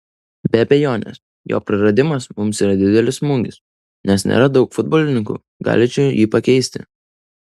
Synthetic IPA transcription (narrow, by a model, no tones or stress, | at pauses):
bʲɛɐbʲɛjoːnʲɛ̰s | jo̰ːpʲɾʲɪɾɐd̪ʲɪmɐsmʊmsiːɾɐd̪ʲɪd̪ʲɛlʲɪsmʊŋʲɡʲɪs | nʲɛsnʲḛːɾɐd̪ɒʊkfʊd̪̚boːlʲɪnʲɪŋkṵ | ɡɑ̰ːlʲɪt͡ʃʲɛʊjiːpɐkʲɛɪsʲt̪ʲɪ̰